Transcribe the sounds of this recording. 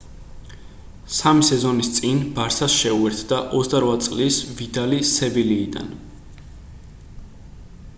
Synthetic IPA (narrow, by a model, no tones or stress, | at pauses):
samisɛzɔnist̪sʼinbaɾsasʃɛuɛɾt̪ʰd̪aʔɔt̪sʰʼd̪aɾwat̪sʼlisvid̪alisɛbiliːd̪a̰n